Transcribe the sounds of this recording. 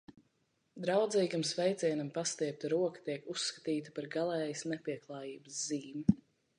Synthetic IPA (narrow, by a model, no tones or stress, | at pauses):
d̪ɾawd̪ziːɡamsvɛjt̪sʲiɛnampast̪iɛp̚t̪aɾuɔkḁt̪iɛkusːkḁt̪iːt̪ə̥paɾɡalˠɛːjsnɛpʲiɛklˠɑːjiːbəsziːmi